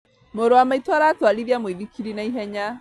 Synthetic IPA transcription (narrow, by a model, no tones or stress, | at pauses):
moɾoamaitwaɾatwaliðjamwiðikʰiɾinaiɦɛɲa